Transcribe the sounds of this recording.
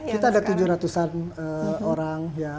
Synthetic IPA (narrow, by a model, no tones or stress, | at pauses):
kit̪aːdat̪ud͡ʒʊɾat̪usanəoɾaŋja